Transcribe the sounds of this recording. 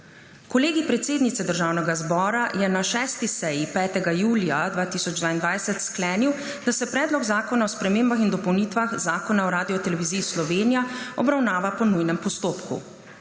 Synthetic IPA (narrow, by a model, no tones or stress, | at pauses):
kɔleːɡipɾɛt̪seːd̪nit̪sɛd̪əɾʒaːwnɛɡazbɔːɾajɛnaʃɛːst̪isɛjipɛːt̪ɛɡajuːlijad̪ʋaːt̪isɔd͡ʒd̪ʋaːind̪ʋajsɛt̪sklɛːniw | d̪̥asɛpɾɛːd̪lɔɡzaːkɔnaɔspɾɛmeːmbaxind̪ɔpɔwniːt̪ʋaxzaːkɔnaɔɾaːd̪iɔt̪ɛlɛʋiziːslɔʋeːnijaɔbɾawnaːʋapɔnujnɛmpɔst̪oːpkṵ